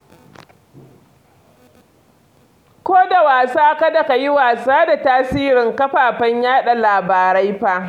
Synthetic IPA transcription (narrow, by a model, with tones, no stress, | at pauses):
kʷoː˦da˨waː˨saː˦ka˦da˨ka˨ji˦waː˨saː˦da˨taː˦siː˦ɾɪ˨ŋkɐ˦ɸaː˨ɸɐ˦ɲjaː˦ɗa˨laː˨baː˨ɾa˦jɸa˦ʔ